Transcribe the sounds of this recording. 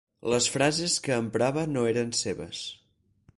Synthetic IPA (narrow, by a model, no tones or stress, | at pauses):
ləsfɾazeskəːmpɾaβənoeɾənseβə̰s